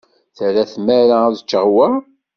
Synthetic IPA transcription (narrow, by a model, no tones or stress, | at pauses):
θəɾæθmæɾaðət͡ʃːəʁwə